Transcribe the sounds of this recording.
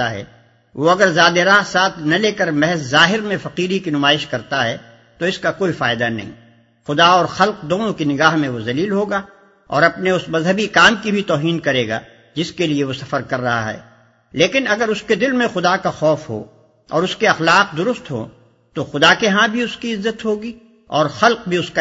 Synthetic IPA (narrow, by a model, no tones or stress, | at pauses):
aɦɛ̰ː | ʋoɐɡəɾzaːd̪eɾaːɦsaːt̪ʰnɐleːkəɾmɛɦɛzzaːɦɪɾmẽfɐqiːɾikinʊmaːɪʃkɐɾt̪aɦɛ | t̪oɪskakoːifaːɪd̪anɐ̰ɦḭ̃ː | xʊd̪aɔːɾxɐlqd̪oːnõkinɪɡaːɦmẽʋozɐliːlɦoːɡaː | ɔ̰ːɾɐpneʊsmɐzɦəbikaːmkibʱit̪ɔːɦiːnkɐɾeːɡa̰ː | d͡ʒɪskelieʋosɐfəɾkɐɾːɐɦa̰ɦɛ̰ː | leːkɪnɐɡəɾʊsked̪ɪlmẽxʊd̪akaxɔːfɦo̰ː | ɔ̰ːɾʊskeɐxlaːq̚d̪ʊɾʊst̪ɦo̰ | t̪oxʊd̪akeɦãbʱiʊskiɪzːət̪ɦoːɡi | ɔːɾxɐlq̚bʱiʊska